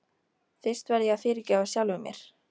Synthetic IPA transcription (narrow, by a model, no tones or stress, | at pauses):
θɪ̥st̪vɛɾðjɛɣaðfɪɾcɛasjawlvʏmjɛ̰ɾ̥